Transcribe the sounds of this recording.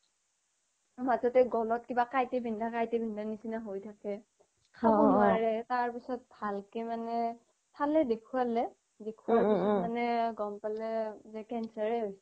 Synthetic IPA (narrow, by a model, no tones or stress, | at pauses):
mazɔtɛɡɔlɔt̚kibakajtebʱindʱakajtebʱindʱanisinaɦojtʰakɛ | kʰabɔnaɹɛtaɹpisɔt̚bʱalkemanɛ | tʰalɛdekʰualɛ | dekʰuaɹpisɔtmanɛɡɔmpalɛzɛkɛnsaɹɛɦojsɛ